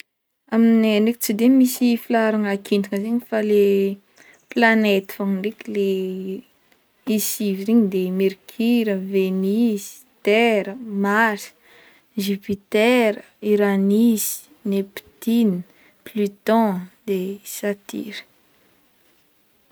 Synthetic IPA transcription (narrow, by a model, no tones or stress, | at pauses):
aminaniki̥t͡sid̪emisifilaɾaŋakʰind̪ukəzeɲifale | planet̪i̥faŋiɳɖ͡ʐikile | isiviɾiɲid̪emiɾkʰiɾəvenizi̥t̪ɛɾəmasi̥ | ʒipit̪ɛɾə | iɾanizi̥ | nepi̥t̪ini | plyt̪ɔ̃d̪̥esat̪ḭɾə̥